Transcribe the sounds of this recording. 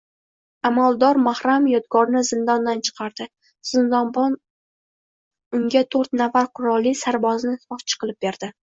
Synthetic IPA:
amalˠd̪ɒɾmahɾamjɒd̪ɡɒɾnɪzɪnd̪ɒnd̪ant͡ʃʰɨ̥qʰɑɾd̪̥ɪ | z̥ɪnd̪ɒnbɒn | ʊŋɡʲat̪ʰoɾt̪nafaɾqʰʊɾɒlˠːisaɾbɒznɪfɒt͡ʃʰɨ̥qʰɨlˠɪp̚be̞ɾd̪̥ɪ

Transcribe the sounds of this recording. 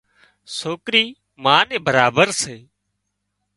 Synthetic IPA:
soːkɾiː | mãːnẽːbəɾaːbəɾseː

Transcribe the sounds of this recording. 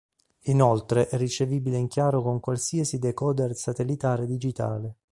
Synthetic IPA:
inɔlt̪ɾeʔɛrːit͡ʃeviːbileiŋkjaːɾokoŋkwalsiːasid̪ekɔːd̪ersat̪elit̪aːɾed̪id͡ʒit̪a̰ːle

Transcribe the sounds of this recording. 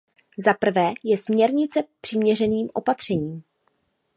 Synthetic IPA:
zapr̩vɛːjɛsmɲɛɾɲɪt͡sɛpr̝̥ɪmɲɛrɛniːmʔo̞̰pat̪r̝̥ɛɲiːm

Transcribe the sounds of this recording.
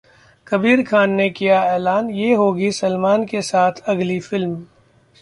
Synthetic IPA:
kɐbiːɾkʰaːnːekijaɛːlaːnjeɦoːɡisɐlmaːnkesaːt̪ʰɐɡlifɪlm

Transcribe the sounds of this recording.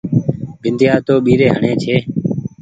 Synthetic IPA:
bɪnd̪ʱjaːt̪oːɓiːɾeːɦəɳẽːt͡ʃʰeː

